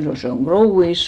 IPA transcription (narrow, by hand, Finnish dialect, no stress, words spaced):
se oŋ krouʋːi isːo